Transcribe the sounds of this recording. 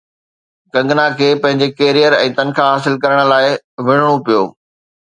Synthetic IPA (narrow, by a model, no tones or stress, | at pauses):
kɐ̃ŋɡnakʰeːpɐ̃ɦɪ̃ɲ̆d͡ʑekeːɾijəɾɛ̃ːt̪ɐnkʰaɦaːsɪlkɐɾəɽ̃̆laːɪ | ʋɪɽ̤ɽ̃opijo̰ː